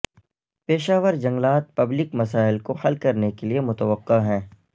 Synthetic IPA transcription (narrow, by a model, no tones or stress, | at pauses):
peːʃaːʋəɾd͡ʒɐ̃ŋɡlaːt̪̚pɐblɪkmɐsaːɪlkohɐlkɐɾnekeliemʊt̪əʋəqːaɦɛ̃ː